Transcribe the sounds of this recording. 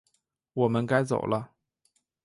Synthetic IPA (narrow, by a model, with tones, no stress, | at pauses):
wɔ˨˩mə˦nka˥˦ɪt͡so̰˨˩ʊlʔə˦